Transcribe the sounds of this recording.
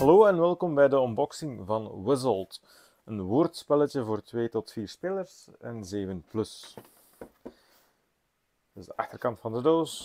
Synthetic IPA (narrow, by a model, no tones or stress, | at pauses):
ɦɑloːɛnʋɛlˠkɔmbɛjdəɔmbɔksɪŋvɑnwɪzəlˠt | ənwoːrtspɛlət͡ʃəvoːrtweːtɔtfiːrspeːlərsɛ̰nzeːvənplɵs | dɪzdəʔɑxtərkɑntfɑndədoːs